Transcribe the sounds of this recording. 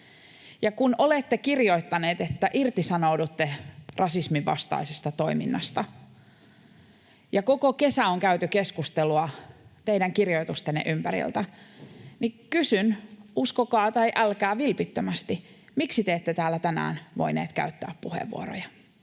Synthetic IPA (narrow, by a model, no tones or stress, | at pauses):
jɑkunolet̪ːekirjo̞it̪ːɑneːt̪et̪ːæʔirt̪isɑnoudut̪ːerʔɑsismiʋːɑ̰st̪ɑ̰isest̪ɑt̪oimḭnːɑst̪ɑ | jɑkokoke̞sæoŋkæyt̪yke̞skust̪eluɑt̪eidæŋkirjo̞it̪ust̪enːḛʔympæɾḭlt̪æ | nikysynuskokɑːt̪ɑjʔælkæːʋilpit̪ːømæst̪i | miksit̪eːt̪ːet̪æːlːæt̪ænæ̰ːnʋo̰inḛːt̪kæ̰yt̪ːæ̰ːppuhḛʋːṵoɾo̰jɑ